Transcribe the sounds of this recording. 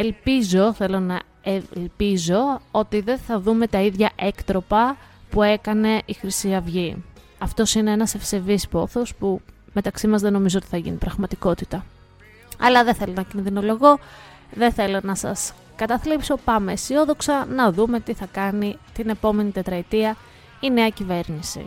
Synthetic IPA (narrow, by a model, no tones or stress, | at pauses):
e̞lpizo̞θe̞lo̞nɐ | elpizo̞o̞t̪iðe̞θɐðume̞t̪ɐiðʝɐʔe̞kt̪ɾo̞pɐpue̞kɐne̞ʔixɾisiɐvʝi | ɐft̪o̞sine̞e̞nɐse̞fse̞vispo̞θo̞spume̞t̪ɐksimɐzðe̞no̞mizoot̪i̥θɐʝḭnipɾɐɣmɐt̪iko̞t̪it̪ɐ | ɐ̰lɐðeθe̞lo̞nɐcinðino̞lo̞ɣo̞ | ðe̞θe̞lo̞nɐsɐ̰s | kɐt̪ɐθlipso̞pɐme̞sio̞ðo̞ksɐnɐðume̞t̪iθɐkɐnit̪ine̞po̞me̞nit̪e̞t̪ɾɐit̪iɐ | ine̞ɐcive̞ɾnisḭ